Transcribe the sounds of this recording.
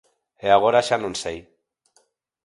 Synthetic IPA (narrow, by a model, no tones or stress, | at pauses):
eaɣoɾaʃanunsej